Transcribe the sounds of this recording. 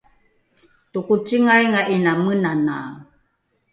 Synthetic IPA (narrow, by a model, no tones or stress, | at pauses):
tukut͡ʃiŋajŋaʔinamənana